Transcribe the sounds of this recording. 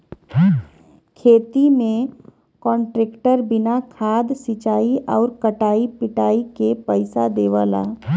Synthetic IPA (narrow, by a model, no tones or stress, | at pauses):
kʰeːt̪imẽ | kɔ̃ːɳʈɾeːkʈəɾbɪnakʰaːd̪sɪt͡ʃaːiʔɔːɾkəʈaːipɪʈaːikepəɪsad̪eːʋaːla̰